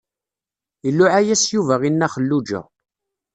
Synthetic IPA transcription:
əlːʊʕajæsjuvæʁinːæχəlːud͡ʒə̰ʁ

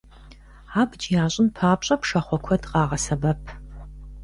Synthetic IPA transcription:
aːbd͡ʒjaːɕʼɪnpʰaːpɕʼɐpʂɐχʷɔkʷʰɔdqɑːʁɐsɐbɐpʰ

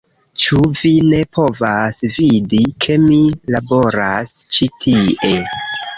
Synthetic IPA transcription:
t͡ʃuvine̞pʰo̞vasvidikʰe̞milabo̞ɾast͡ʃitʰie

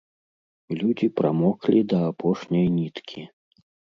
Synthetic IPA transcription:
lʲud͡zʲipɾamɔklʲid̪ɐapʰɔʂnʲɐjnʲit̪kʲʰi

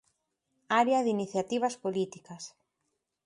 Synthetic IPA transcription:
aɾeɐðiniθjat̪iβ̞ɐspolit̪ikɐs

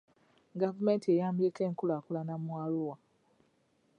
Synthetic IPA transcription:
ɡavumentiejambjekeːŋkulakulanamwaːluwa

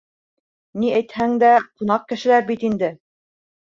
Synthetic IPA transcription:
niæjt̪hæŋd̪æqunɑq̚kɘ̆ʃɘ̆læɾbit̪ind̪ɘ

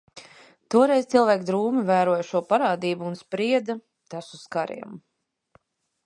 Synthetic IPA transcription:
t̪uɔɾɛjzt̪silˠvæːkd̪ɾuːmivæːɾuɔjʃuɔpaɾaːd̪iːbuːnspɾiɛd̪a | t̪asuskaɾḭɛm

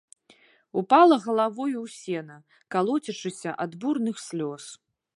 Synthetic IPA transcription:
upalˠɐɣɐlˠavɔjuwsʲɛnɐ | kalˠɔt͡sʲit͡ʂɨsʲɐʔad̪burnɨxsʲlʲɔs

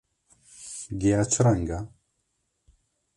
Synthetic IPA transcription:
ɡiat͡sʰəɾaŋɡa

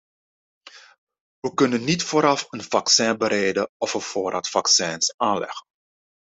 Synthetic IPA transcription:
ʋəkɵnənːitfoːɾɑfənvɑksɛ̃ːbəɾejdəɔfəfoːɾatfɑksɛːnsaːnlɛ̰χən

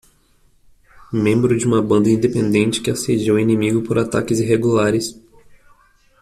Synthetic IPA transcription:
mẽmbɾʊd͡ʒɪũmɐbɐ̃nd̪ɐĩnd̪epẽnd̪ẽnt͡ʃɪ̥kɪased͡ʒiwinĩmiɡʊpoɾat̪a̰kɪziɦeɡulaɾɪs

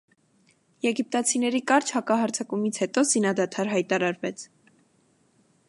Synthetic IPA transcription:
jɛɡip̚t̪ɑt͡sʰinɛɾikɑɾt͡ʃʰhɑkɑɦɑɾt͡sʰɑkumit͡sʰhɛt̪ɔzinɑd̪ɑt̪ʰɑɾɦɑjt̪ɑɾɑɾvɛt͡sʰ

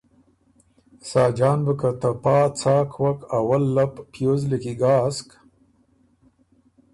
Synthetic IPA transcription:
sɑːd͡ʒɑːnbəkat̪apɑːt͡sɑːkʰwakawalːapːjozləkiɡɑːsk

